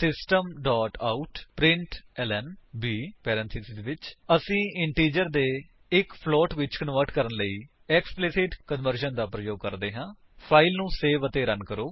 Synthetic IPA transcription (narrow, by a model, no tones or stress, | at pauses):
sɪsʈəmɖɔːʈaːuʈpɾɪ̃ɳʈɛːlɛːnbiːpɛːɾə̃nt̪ʰisɪdeʋɪt͡ʃəsĩːɪɳʈiːd͡ʒəɾd̪eː | ɪkpʰlɔːʈʋɪt͡ʃkənʋəɾʈkəɾənləiː | ɛksplɪsɪʈkənʋəɾʃənd̪aːpɾəjoːɡ̚kəɾd̪eːɦãː | pʰaːilnũːseːʋət̪eːɾənkəɾoː